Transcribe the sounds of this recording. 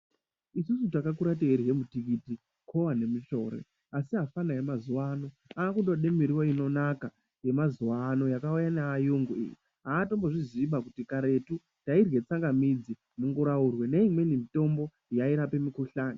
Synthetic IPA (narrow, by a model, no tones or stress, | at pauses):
isusutakakuɾat̬eeɾije̞mutikiti | kʰowane̞mit͡ʃo̞ːɾḛ | asiɦafanajemazuwano̞ | aːkundo̞ɗemiɾiwoino̞naka | je̞mazuwano̞jakaujanaːjuŋɡuḭːjḭ | ɦaːto̞mboʐiziɓakutikaɾe̞tu | tairwe̞t͡saŋɡamid͡zi | muŋɡuɾaurwe̞ne̞imwe̞nimito̞mbo̞ | jaiɾape̞mikuɬaːni